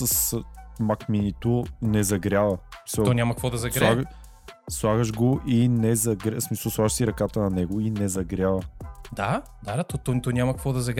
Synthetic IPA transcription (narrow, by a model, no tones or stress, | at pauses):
səsmakminit̪onɛzɐɡɾʲavɐsmi̥səɔnʲamɐkvɔd̪ɐzɐsɾalˠaɡ | slˠaɣəʒɡoʔinɛzɐɡɾsmisəlˠslˠaɡəʃsiɾɐkat̪ənɐnɛɡoinɛzɐɡɾjavɐd̪a | d̪ad̪at̪ɔt̪ɔt̪ɔnʲamɐkəkvɔd̪ɐzɐɡɾ